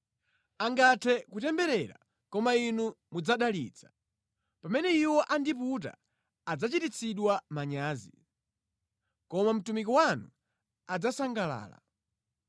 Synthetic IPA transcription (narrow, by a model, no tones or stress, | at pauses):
aŋɡatʰɛkutɛmbɛɾɛɾa̰ | kɔmainumud͡zaɗalḭːt͡sʰḁ | pamɛnɛiwɔʔandiput̬a̰ː | d͡zat͡ʃitit͡sʰiɗwamaɲaːzi | kɔmam̩tumik̬ɔwanu | ad͡zasaŋɡala̰ːla̰